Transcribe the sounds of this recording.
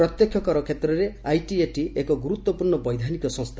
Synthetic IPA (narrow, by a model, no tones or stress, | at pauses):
ɾɔt̪jɔkʰjɔkɔɾɔkʰet̪ɾɔɾeajʈieʈiekɔɡuɾut̪wɔpuɾɳɔbɔjd̪ʱanikɔsɔ̃ŋst̪ʰa